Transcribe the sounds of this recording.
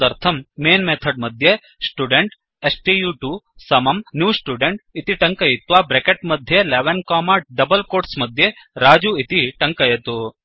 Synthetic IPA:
ɐɾt̪ʰɐmːeːnmet̪ʰɐɖmɐd̪ʱje | sʈuɖeɳʈ | esʈiːjuʈusɐmɐmnjuːsʈuːɖeɳʈit̪iʈɐŋkɐjit̪ʋaːbɾekeʈmɐd̪ʱjeleʋɐnkaːmaːɖɐbɐlkoːɾʈsmɐd̪ʱje | ɾaːd͡ʒuit̪iʈɐŋkɐjɐt̪u

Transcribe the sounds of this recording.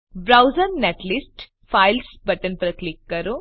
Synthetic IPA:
bɾɐwzɐɾneʈlisʈ | pʰajlsbɐʈɐnpɐɾɐklikːɐɾu

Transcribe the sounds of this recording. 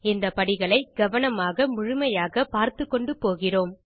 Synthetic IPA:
ɪnd̪ɐpɐɽɪɣɐɭɐɪɡɐʋɐnɐmaːɣɐmʊɻʊmɐjaːɣɐpaːɾt̪ɯkːɔɳɖɯpːoːɣɪroːm

